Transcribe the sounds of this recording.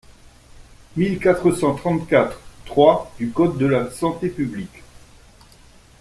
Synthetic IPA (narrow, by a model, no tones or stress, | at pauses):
milkat̪χəsɑ̃t̪χɑ̃t̪kat̪χt̪χwad̪ykɔt̪̚d̪əlasɑ̃t̪epyblik